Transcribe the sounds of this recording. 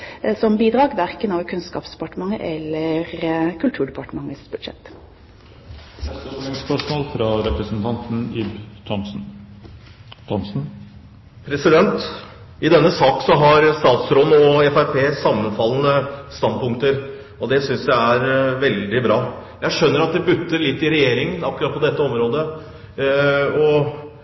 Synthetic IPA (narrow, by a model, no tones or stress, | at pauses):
sɔmbiːd̪ɾɑːɡʋæɾkənɑʋkʰʉnskɑːpsd̪ɛpɑʈəmɑŋəʔɛlːəɾkʰʉlt̪ʰʉːɖɛpɑʈəmɑŋəsbʉd̪ʂɛ̰t̪ː | ɛt̪ɔlɪŋspʰæʂmolfɾɑɾɛpɾəsnt̪ʰɑnt̪n̩ɪbt̪ʰɔnn̩ | t̪ʰɔnsn̩ | pʰɾɛsɪd̪ɛnt̪ | ɪd̪ɛnːəsɑːksɔɦɑɾst̪ɑːt̪sɾɔnɔɛfæɾpʰeːsɑmːənfɑlːənəst̪ɑnd̪pʊŋkt̪əɾ | ɔd̪ɛsʏnsj̪ææɾʋɛld̪ɪbɾɑː | jæɪʂœnːəɾɑt̪̚d̪ɛbʉt̪ːəlɪt̪ːɪɾɛjeːɾɪŋənɑkːɾɑt̪̚pʰɔd̪ɛt̪ːəɔmɾoːd̪ə | ɔ